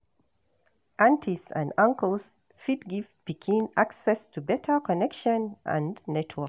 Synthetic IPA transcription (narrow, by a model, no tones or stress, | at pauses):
ʔãntʰisã̰ndãŋkəlˠs | fitɡift̚b̥ikʰĩnaksɛstʰubɛtʰə˞kɔnɛkʃə̃nʔə̰̃nnɛtʰwək